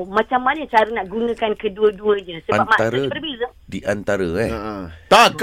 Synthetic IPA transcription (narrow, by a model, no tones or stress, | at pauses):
mãt͡ʃamːanət͡ʃaɾənaʔɡunə̃kankəduəduəɲəsəabap̚maʔt̪aɾabərbizə | diʔant̪aɾəɛt̪ak